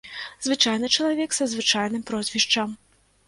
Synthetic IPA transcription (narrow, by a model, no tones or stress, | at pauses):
zvɨt͡ʂajnɨt͡ʂɐlˠavʲɛksɐzvɨt͡ʂajnɨmpɾɔzʲvʲiʂt͡ʂɐm